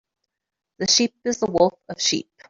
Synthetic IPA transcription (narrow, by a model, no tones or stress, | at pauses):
ðəʃiˑpɨzðəwʊlˠfəv̥ʃḭp̚